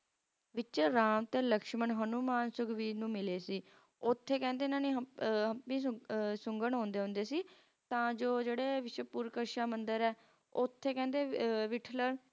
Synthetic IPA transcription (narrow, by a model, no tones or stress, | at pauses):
ʋɪt͡ʃɾaːmt̪eːləkʃmənɦənuːmaːnsʊɡʋiːnũːmɪleːsiː | ʊt̪ʰːeːkɛ̃ːnd̪eːnãːneːɦəpĩːsʊŋɡəɳɦõːnd̪eːɦʊ̃nd̪eːsiː | t̪ãːd͡ʒoːd͡ʒeːɽeːʋɪʃəpuːɾkəɾʃaːmənd̪əɾɛː | ʊt̪ʰːeːkɛ̃ːnd̪eːʋɪʈʰləɾ